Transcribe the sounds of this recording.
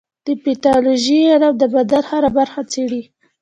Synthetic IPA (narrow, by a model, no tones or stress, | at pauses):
d̪̥əpet̪ɑloʒiad̪awd̪əbad̪alhaɾabaɾxat͡seɽi